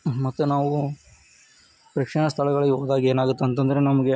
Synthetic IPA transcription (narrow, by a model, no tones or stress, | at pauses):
mɐt̪ːunaːʋu | pɾɐkʂɐɳɐst̪ʰɐɭɐɡɐɭɐiɦoːd̪aːɡieːnaːɡut̪ːeɐnt̪ɐnd̪ɐɾenɐmɐɡe